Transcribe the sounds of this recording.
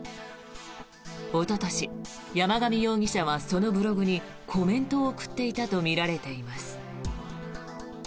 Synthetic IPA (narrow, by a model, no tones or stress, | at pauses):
o̞t̪ot̪oɕi | jamaɡamʲijoːɡʲiɕaβ̞aso̞no̞bɯ̟ɾo̞ɡɯ̟ɲ̟i | kʰo̞mẽ̞nt̪o̞ːkɯ̟̥t̪ːe̞it̪at̪o̞mʲiɾaɾe̞t̪e̞imasɨ̥